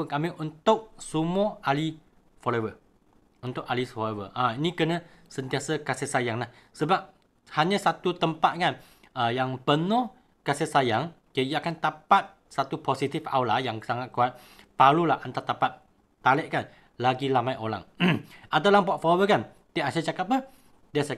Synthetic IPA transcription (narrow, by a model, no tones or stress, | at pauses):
kamɪʔunt̪ʊk̚sumɔali | fɔlewə | unt̪ʊk̚alisfɔewəʔainĩkənəsənt̪iasəkasɛhsajaŋlah | səbap̚ | haɲə̃sat̪ut̪əmpat̪̚kan | əjaŋpənʊh | kasɛhsajaŋkəjəakant̪apat̪̚ | sat̪uposit̪ɪfa̰wlajaŋsaŋat̪̚kuat̪̚ | palulahʔant̪at̪apat̪̚ | t̪ːalɛʔkan | laɡilamajʔola̰ŋʔadalaŋpɔʔ̚fɔlowəkan | t̪iʔasət͡ʃakapə | diasa